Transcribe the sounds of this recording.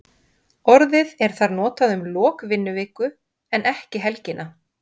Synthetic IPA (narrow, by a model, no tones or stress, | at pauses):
ɔɾðɪðɛɾ̥θaɾnɔːt̪aðʏmlɔːkvɪnːʏvɪːkʏ | ɛnʔɛhcɪɦɛlcɪnʔa